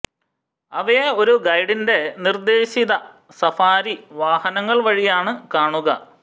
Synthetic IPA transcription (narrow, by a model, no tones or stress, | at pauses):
ɐʋeo̞ɾuɡɐjɖinde̞nird̪e̞ːɕiðɐ | sɐfaːɾiʋaːhɐnɐŋːɐɭʋɐɻijaːɳɨkaːɳuɣɐ̰